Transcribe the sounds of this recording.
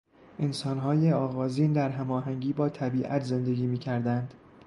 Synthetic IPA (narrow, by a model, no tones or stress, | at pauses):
ʔe̞nsɒːnɦɒːjeɒːɣɒːziːnd̪æɾɦæmɒːɦæŋɟiːbɒːt̪ʰæbiːʔæ̰t̪ʰze̞nd̪e̞ɡʲiːmiːcʰæɾd̪ænd̪̥